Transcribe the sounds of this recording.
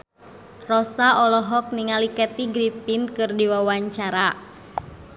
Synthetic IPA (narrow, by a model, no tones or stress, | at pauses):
rɔsaʔɔlɔɦɔk̚niŋalikɛt̪iɡɾipinkɨrdiwawaɲt͡ʃaɾa